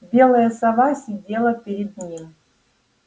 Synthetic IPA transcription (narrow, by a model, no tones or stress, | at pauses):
bʲelˠəjəsɑvɑsʲidʲelˠəpʲeɾʲed̪̚nʲim